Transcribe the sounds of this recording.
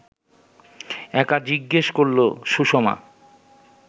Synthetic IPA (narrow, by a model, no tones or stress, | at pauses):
ɛkad͡ʑiɡːeʃkoɾloʃuʃoma̰